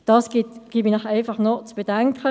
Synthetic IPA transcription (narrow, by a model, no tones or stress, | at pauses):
d̥ɑsɡ̥itɡ̥ibinaχɛɪfɑχnɔt͡sb̥ədɛŋkʰə